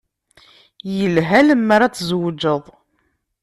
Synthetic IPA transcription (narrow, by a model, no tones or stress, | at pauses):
jəlɦæləmːaɾat͡sːzwəd͡ʒəðˤ